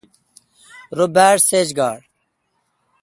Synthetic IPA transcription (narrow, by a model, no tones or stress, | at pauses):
ɾobæːɖseːd͡ʑɡaːɖ